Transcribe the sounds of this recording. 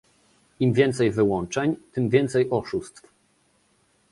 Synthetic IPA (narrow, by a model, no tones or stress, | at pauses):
imvʲjɛnt̪sɛjvɘwɔnt͡ʂɛɲt̪ɘmvʲjɛnt̪sɛjʔɔʂust̪f